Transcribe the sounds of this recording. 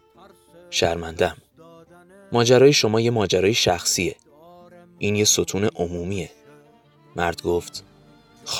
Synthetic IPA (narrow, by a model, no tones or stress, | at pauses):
ʃæɾmænd̪æmː | ɒːd͡ʒæɾɒːjeʃo̞mɒːje̞mɒːd͡ʒæɾɒːjeʃæxsie̞ | ʔiːnjesot̪ʰuːneʔomuːmiːe̞ | mæɾd̪̥ɡoːft̪ | x